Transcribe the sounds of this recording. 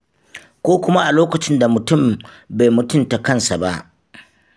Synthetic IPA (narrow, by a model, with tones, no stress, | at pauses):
kʷoː˦kʷʊ˦ma˦ʔa˨loː˦kɐ˨t͡ʃɪ˦nda˨mʊ˨tʊ˦˨m | ba˨jmʊ˨tʊ˦nta˨kɐ˦nsa˨ba˦ʔ